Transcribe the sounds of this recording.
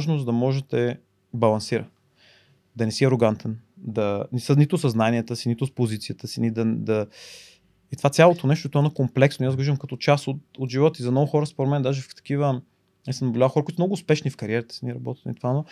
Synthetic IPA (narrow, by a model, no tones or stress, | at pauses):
aʒnozd̪ɐmɔʒɛt̪ɛ | bɐlˠɐnsiɾə̰n | d̪ɐnɛsiɐɾoɡant̪ʰɛnd̪ɐnɛsənit̪ʊsɐznaniət̪əsinit̪ʊspozit̪sijət̪əsinid̪ɐd̪ɐ | it̪ovat̪sʲalˠot̪onɛʃt̪ʊit̪ɔɛnɐkomplɛksnoiazɡovʒəmkɐt̪ɔt͡ʃasot̪od̪ʒivɔt̪izɐmnɔɡʊxɔɾəspoɾɛmɛnd̪aʒɛft̪ɐ̥k̟ivə | ɛsnɐbolʲavəxɔɾkuit̪mnɔɡʊːspɛʃnifkɐɾiɛɾət̪ə̥siniɛɾɐbɔt̪i̥t̪nḭt̪vano